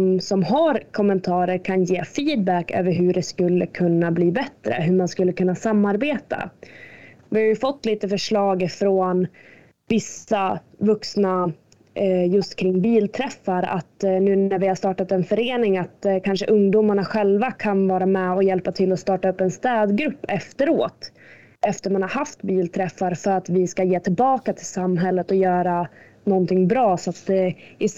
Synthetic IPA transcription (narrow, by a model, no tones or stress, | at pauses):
msɔmɦaɾkʰɔmːɛnt̪ʰɑːɾəɾkʰanjeːfiːd̪̚bækːø̰ːvəɾɦɵɖɛskɵlːəkʰɵnːabliːbɛt̪ɾə̰ɦɵmanskɵlːəkʰɵnːasamːaɾbeːt̪a̰ | vɪhajɵfɔt̪ːliːt̪əfœʂɭɑːɡfɾoːn | vɪsːavɵksna | jɵst̪kʰɾɪŋːbiːlt̪ʰɾɛfːaɾa̰t̪nʉ̟ːnæɾvɪhaʂst̪ɑːʈat̪ɛnfœɾeːnɪŋat̪kʰanʂəʔɵŋd̪uːmaɳaɧɛlvakʰanvɑːɾamɛɔjɛlpːat̪ʰɪlːɔst̪ɑːʈaɵpːɛnst̪ɛːd̪ɡɾɵpːɛft̪əɾoːt̪ | ɛft̪əɾmanhaɾɦaft̪biːlt̪ʰɾɛfːaɾfœɾat̪vɪskajeːt̪ʰɪlbɑːkat̪ʰɪlsamːɦɛlːət̪ɔjœːɾa | nɔnt̪ʰɪŋbɾɑːsɔat̪d̪ɛɪ